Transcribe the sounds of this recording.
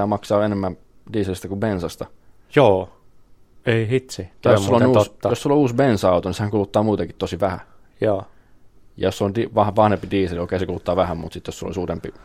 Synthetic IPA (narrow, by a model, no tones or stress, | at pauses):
æːmɑksɑːenemːæm | diːselist̪ækubensɑst̪ɑ | joː | eihit̪sijjosːlːonuːost̪ːɑjosulːouːsbensɑut̪onisehæŋkulut̪ːɑːmuːt̪eŋkit̪t̪osiʋæhæ̰ | joː | jɑ̰josulondiʋɑhʋɑhnempidiːselioˑkeˑisekulut̪ːɑːʋæhæmmṵt̪sit̪josulo̰isuːt̪empi